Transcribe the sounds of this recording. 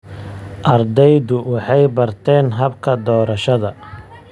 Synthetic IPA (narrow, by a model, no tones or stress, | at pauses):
ʔɐrd̪ɛjdʊwɑħɑjbɐrt̪ʰɛːnɦɐbkʰɐd̪ɔːɾɐʃɐðɐ